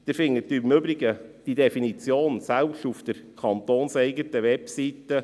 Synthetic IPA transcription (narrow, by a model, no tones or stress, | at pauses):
d̪̥əɾfɪŋːət̚ːymʏbɾɪɡəd̥idɛfinit͡sjoːnsælpʃtufd̥̪əɾkʰɑnt̪oːnsɛɪɡətəʋɛpsitə